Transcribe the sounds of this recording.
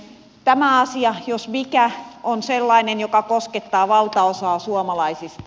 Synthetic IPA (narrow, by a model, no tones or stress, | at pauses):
t̪æmæɑsiɑjosmikæonselːɑinenjokɑkosket̪ːɑːʋɑlt̪ɑosɑːsuɑmɑlɑisist̪